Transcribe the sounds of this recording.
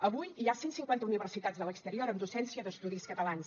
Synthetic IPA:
əβujiasensiŋkwant̪əuniβərsit̪ad͡zðələkst̪əɾioɾənd̪usɛnsiəðəst̪uðiskət̪əlans

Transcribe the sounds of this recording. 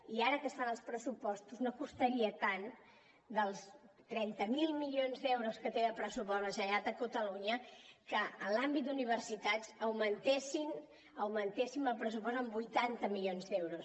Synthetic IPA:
iaɾəkəst̪anəlˠspɾəsupɔst̪uznokust̪əɾiət̪an | d̪əlˠs | t̪ɾɛnt̪əmilˠmiʎonzd̪ewɾuskət̪eəpɾəsupɔzβəʒəʒat̪əkut̪əluɲəkəːlambit̪̚d̪uniβ̞ərsit̪azəwmənt̪esin | əwmənt̪esimbəlˠpɾəs̬upɔst̪əmbujt̪ant̪əmilionzd̪ewɾus

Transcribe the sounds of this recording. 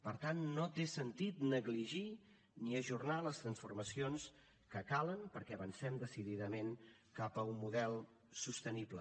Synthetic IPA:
pəɾt̪anːot̪esənt̪it̪nəɣliʒi | niəʒurnaləst̪ɾənsfurməsions | kəkalənpəɾkɛəβənsɛmd̪əsiðiðəmen | kapəumːuðɛlˠ | sust̪əniblə̰

